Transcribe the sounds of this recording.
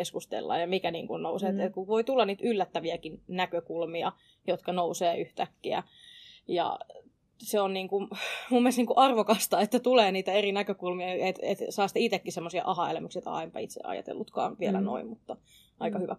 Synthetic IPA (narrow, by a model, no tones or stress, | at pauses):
eskust̪ḛlːɑ̰jjɑmikænḭːŋkunnouseːt̪et̪kuʋoit̪ulːɑniːt̪ʔylːæt̪ːæʋiækinnækøkulmiɑ | jot̪kɑnouseːyht̪ækːiæ̰ | jɑ̰ | seonniːŋkumumːielst̪niːŋkuʔɑrʋokɑst̪ɑet̪ːæt̪uleːniːt̪æerinækøkulmiɑet̪ḛt̪sɑːst̪eit̪ekːisemːosiɑ̰ʔɑhɑelæmyksiet̪ɑ̰impɑ̰it̪sḛɑ̰jɑ̰t̪ḛlːut̪kɑ̰ːnʋielæno̰immut̪ːɑ | ʔɑikɑhyʋæ̰